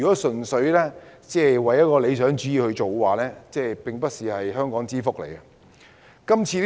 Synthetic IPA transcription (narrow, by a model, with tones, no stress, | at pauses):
kɔː˨˥sɵ˨˩nsɵ˨˥ɥlɛː˥t͡sɛː˥˩wɐ˨˩jɐ˥t̚kɔː˧le˨˧jsœː˨˥ŋt͡ʃyː˨˥jiː˨˧whɵ˧ɥt͡ʃo˨wwaː˨lɛː˥t͡sɛː˥pɪ˨ŋpɐ˥t̚siː˨hɐ˨jɦœː˥ŋkɔː˨˥ŋt͡siː˥fʊ˥k̚lḛ˨˩jɐ˧ | kɐ˥mt͡sʰiː˧